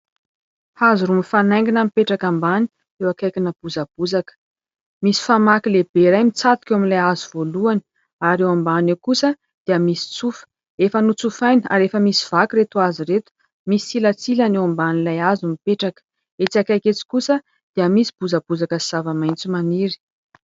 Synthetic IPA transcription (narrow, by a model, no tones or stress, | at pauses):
hazuɾumifanajŋɡinamipeʈ͡ʂakambani̥ | ewakajkinəb̥uzab̥uzakə̥ | misi̥famakileb̥eɾajmit͡sat̪u̥kʲewamilajazuv̥oluani̥ | aɾewambanewkusə | d̪̥eəmisi̥t͡sufə̥ | efənut͡sufajna̰ɾefəmisi̥v̥akiɾet̪uaziɾet̪u̥ | misiilat͡silanewambanilajazumipeʈ͡ʂakə̥ | et͡siakajket͡si̥kusə | d̪̥eəmisi̥b̥uzab̥uzakəsiz̥avamajnt͡sumaniɾi̥